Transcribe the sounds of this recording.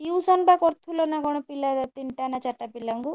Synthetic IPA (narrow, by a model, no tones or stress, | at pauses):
iwsɔnbakɔɾt̪ʰulɔnaɡɔɽɔpilad̪at̪iɳʈanat͡ʃaʈːapilaŋɡu